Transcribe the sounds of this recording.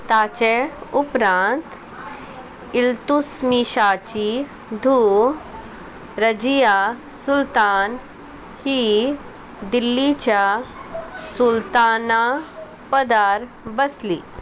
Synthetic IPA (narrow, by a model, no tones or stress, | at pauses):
t̪aːt͡ʃeʊpɾãːnt̪ | ɪlt̪usmiʃaːt͡ʃi | d̪ʱu | ɾɐd͡ʒija | sʊlt̪aːn | hi | d̪ɪlːit͡ʃa | sʊlt̪aːna | pɐd̪aːɾ | bɐslḭ